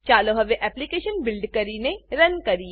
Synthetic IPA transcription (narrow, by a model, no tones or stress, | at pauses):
t͡ʃaːloɦɐʋeʔɛːplikeːʃənbɪlɖkɐɾinẽɾɐnkɐɾi